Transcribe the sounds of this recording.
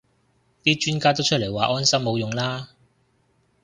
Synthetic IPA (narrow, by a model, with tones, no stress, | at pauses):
t̪iː˥t͡ʃyː˥nkaː˥t̪̬o˥wt͡ʃʰɵ˥t̚le˨˩jwaː˨ʔɔː˥nsɐ˥mːo˨˧wjʊ˨ŋlaː˥